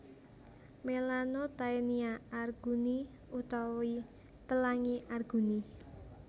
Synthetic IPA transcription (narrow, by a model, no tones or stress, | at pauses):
melanot̪aeniaarɡ̥uni | ut̪ɔwi | pəlaŋiʔarɡ̥ṳni